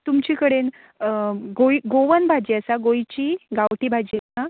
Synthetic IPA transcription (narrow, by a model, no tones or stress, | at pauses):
t̪umt͡ɕikəɽen | ɡojɡoʋənbʱad͡ʑiəsaɡojt͡ɕiɡawʈiːbʱad͡ʑiəsa